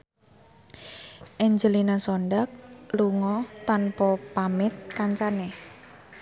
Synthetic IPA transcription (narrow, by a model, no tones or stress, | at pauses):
ʔɛɲd͡ʒəlinasɔɳɖak̚luŋɔt̪anpɔpamɪt̪̚kaɲt͡ʃane